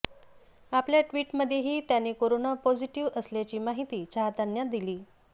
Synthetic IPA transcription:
apljaʈʋiːʈməd̪ʱjeɦiːt̪janeːkoɾonapod͡ʑiʈiʋəsljat͡ɕiːmaɦit̪iːt͡ɕʰaɦt̪anjad̪iliː

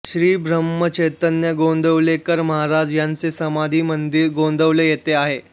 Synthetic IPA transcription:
ɕɾiːbʱɾəmːət͡ɕejt̪ənjəɡond̪əʋlekəɾməɦaɾad͡zjant͡sesəmad̪ʱiːmənd̪iɾɡond̪əʋlejet̪eaɦe

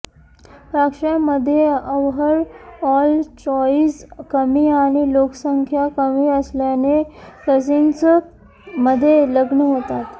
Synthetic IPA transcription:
pɾakʂjaməd̪ʱːjeəʋɦəɾɔlt͡ɕɔiskəmiːaɽ̃iloksəŋkʰjakəmiəsljanekəd͡zint͡s | məd̪ʱːjeləɡɳəɦot̪at̪

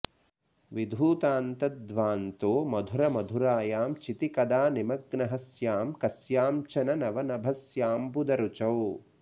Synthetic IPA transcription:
ʋid̪ʱuːt̪aːnt̪ɐt̪d̪ʋaːnt̪oːmɐd̪ʱuɾɐmɐd̪ʱuɾaːjaːmt͡ʃit̪ikɐd̪aːnimɐɡnɐɦɐsjaːmkɐsjaːmt͡ʃɐnɐnɐʋɐnɐbʱɐsjaːmpud̪ɐɾut͡ʃɐw

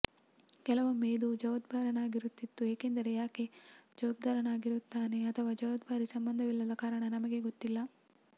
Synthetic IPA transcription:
kɛlɐʋɐmːeːd̪ud͡ʒɐʋɐd̪̚baːɾɐnaːɡiɾut̪ːit̪ːueːkend̪ɐɾe̞jaːke̞d͡ʒɐʋaːb̚d̪aːɾɐnaːɡiɾut̪ːaːne̞ɐt̪ʰɐʋaːd͡ʒɐʋɐd̪̚bʱaːɾisɐmbɐnd̪ɐʋilːɐd̪ɐkaːɾɐɳɐnɐmɐɡe̞ɡot̪ːilːɐ

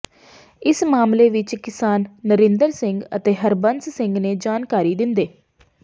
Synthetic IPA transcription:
ɪsmaːmleːʋɪt͡ʃkɪsaːnːəɾɪ̃nd̪əɾsɪŋɡə̰t̪eːɦəɾbənssɪŋɡneːd͡ʒaːnkaːɾiːd̪ɪnd̪eː

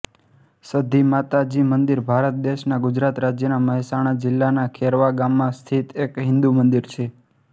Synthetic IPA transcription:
səd̪imat̪ad͡ʒimənd̪iɾbʱaɾət̪̚d̪eʃnaɡʊd͡ʒɾat̪ɾad͡ʒjənaməɦisaɽ̃ad͡ʒɪlːanakʰeɾʋaɡamːãst̪ʰit̪ekɦɪ̃nd̪umənd̪iɾt͡ʃʰe

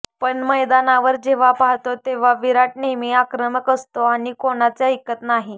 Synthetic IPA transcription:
pəɳməjd̪anaʋəɾd͡ʑeʋ̤apaɦt̪ot̪eʋ̤aʋiɾaʈnemiakɾəməkəst̪oaɽ̃ikoɽ̃at͡sjaikːət̪naɦi

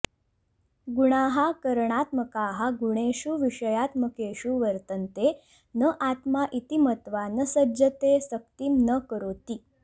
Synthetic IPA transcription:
ɡuɽ̃aɦakəɾɳ̃at̪məkaɦaɡuɽ̃eɕuːʋiʂəjat̪məkeɕuːʋəɾt̪ənt̪e | nəʔat̪maʔit̪imət̪ʋanəsəd͡ʑət̪esək̚t̪iːmnəkəɾot̪iː

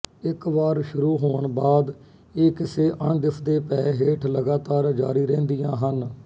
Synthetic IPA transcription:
ɪkʋaːɾʃʊɾuːɦoːəɳbaːd̪ | eːkɪseːʔəɳd̪ɪpʰd̪eːpɛːɦeːʈʰləɡaːt̪aːɾd͡ʒaːɾiːɾẽːnd̪ijãːɦən

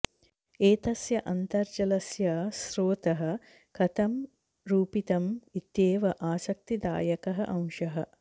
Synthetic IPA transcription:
eːt̪ɐsjɐʔɐnt̪ɐɾd͡ʒɐlɐsjɐsɾoːt̪ɐɦɐ̆ | kɐt̪ɐm | ɾuːpit̪ɐmit̪jeːʋɐʔaːsɐk̚t̪id̪a̰ːjɐkɐɦɐ̰ʔɐ̃w̃ʃɐɦɐ̰

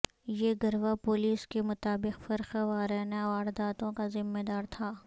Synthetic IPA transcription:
jeːɡɐɾʋapoːliːskemʊt̪aːbɪqfɐɾxaʋaːɾɛːnaaːɾd̪aːt̪õkazɪmːed̪aːɾt̪ʰaː

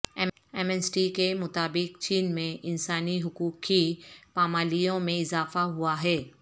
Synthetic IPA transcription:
ɛ | ɛmɛːsʈikemʊt̪aːbɪkt͡ʃiːnmẽʔɪ̃nsaːniɦʊkuːkkipaːmaːlijõmẽɪzaːfaɦʊaɦɛː

